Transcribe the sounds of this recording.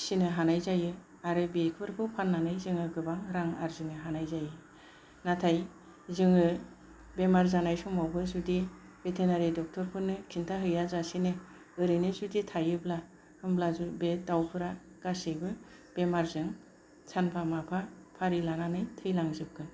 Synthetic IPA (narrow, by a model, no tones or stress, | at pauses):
sinɯɦanajzajɯ | aɾɯbekʰbɯɾpʰɯpʰanːanɯjzɯŋɯɡɯbaŋɾaŋaɾzɯŋɯɦanajzajɯ | natʰaj | zɯŋɯ | bemaɾzanajsuŋmawbɯzudi | b̥etʰenaɾedɔk̚tʰɔɾpʰɯɾnɯkʰintʰaɦɯjazasinɯ | ɯɾinɯzuditʰajɯbla | hɯmblazubedawpʰɯɾa | ɡ̥asibɯ | b̥emaɾzɯŋ | t͡ʃʰanpʰamapʰapʰaɾilananɯjtʰɯjlaŋzɯp̚kʰɯ